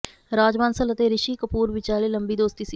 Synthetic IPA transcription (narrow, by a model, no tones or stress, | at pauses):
ɾaːd͡ʒmaːnsələt̪eːɾɪʃiːkəpuːɾʋɪt͡ʃaːleːləmbiːd̪oːst̪iːsi